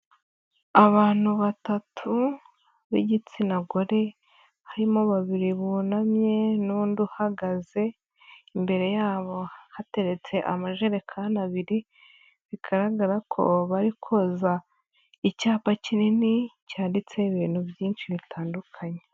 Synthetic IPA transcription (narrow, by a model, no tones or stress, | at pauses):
aβaːn̥huβatatʰu | βḭɟit͡sinaɡoɾe̞ | haɾimoβaβiɾiβunamɲe̞nuːnduhaɡaze̞ | imbe̞ɾe̞jaːβo̞hate̞ɾe̞t͡se̞ʔamaʒeɾe̞kʰanaβiɾi | βiɡaɾaɡaɾakʰo̞̰βaɾikʰoza | icaːpacininicaːndit͡se̞iβiːn̥hubjiːnʃiβitʰaːndukʰaɲe